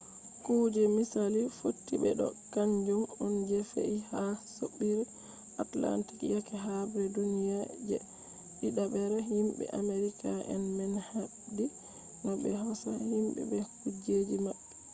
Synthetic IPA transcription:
kud͡ʒɛmisalifotːiɓɛ̰ɗɔ̰kaɲd͡ʒumɔnd͡ʒɛfḛihasoɓːiɾɛ | atla̰nti̥kjakɛɦabɛdunijad͡ʒɛ̰ | ɓiɗabɛɾɛɦimɓɛ̰ʔameɾikaɛ̰nmɛnha | di | nɔbɛhɔsahimɓɛ̰bɛkud͡ʒed͡ʒimaɓːɛ

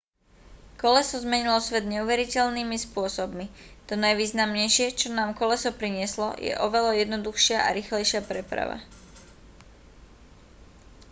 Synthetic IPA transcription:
kɔlɛsɔzmɛɲilɔsʋɛd̪ɲɛuʋɛɾicɛlniːmispʊɔsɔbmit̪ɔnajʋiːznamɲɛjʃɪɛt͡ʃɔnaːmkɔlɛsɔpɾiɲɪɛslɔ̰jɛ̰ʔɔʋɛlajɛd̪nɔd̪uxʃɪaʔa̰ɾixlɛjʃɪapɾɛpɾa̰ʋa̰

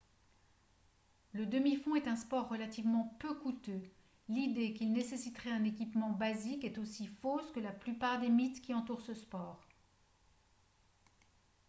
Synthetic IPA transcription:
ləd̪əmifɔ̃ɛt̪ɛ̃spɔʁːəlat̪ivmɑ̃pøkut̪ø | lid̪ekʲilnesesit̪ʁɛɛ̃nek̬ʲipmɑ̃bazikɛt̪osifoskəlaplypaʁd̪emit̪kʲiɑ̃t̪uʁsəspɔːʁ

